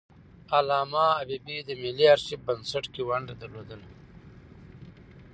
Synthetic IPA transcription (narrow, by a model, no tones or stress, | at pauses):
alaːmaːbibid̪əmiliaɾɕibɐnsɐʈkiwɐɳɖad̪ɐɾloːd̪əl